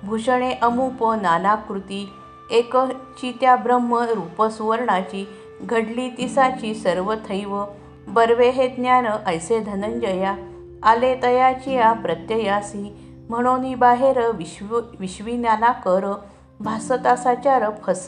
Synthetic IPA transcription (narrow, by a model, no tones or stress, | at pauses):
bʱuɕɳeʔəmupənanakɾut̪i | ekt͡ɕit̪jabɾəmːəɾupəsuʋəɾɳat͡ɕi | ɡʱəɽlit̪isat͡ɕisəɾʋət̪ʰəjʋə | bəɾʋeɦed̪njanəʔəjsed̪ʱənəɲd͡ʑəjaː | let̪əjat͡ɕiapɾət̪jəjasĩ | m̤əɽ̃onibaɦeɾəʋʋiɕʋinjanakəɾə | bʱasət̪asat͡ɕaɾəpʰəs